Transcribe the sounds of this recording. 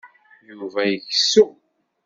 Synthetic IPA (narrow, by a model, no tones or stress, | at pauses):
juvæjəçsu